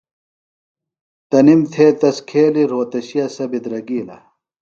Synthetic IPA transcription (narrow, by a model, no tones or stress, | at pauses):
t̪ɐnimt̪ʰeːt̪ɐskʰeːliɾoːt̪ɐɕijɐsɐbid̪ɾɐɡiːlɐ̰